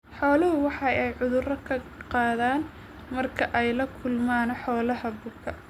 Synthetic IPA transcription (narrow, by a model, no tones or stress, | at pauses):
ħɔːlɐɦʊwɑħɑjɛjʕʊðʊrɐkʰɐqɑːðaːn | mɐrkʰɐʔɛjlɐkʰʊlmaːnɐħɔːlɐɦɐbʊkʰɐ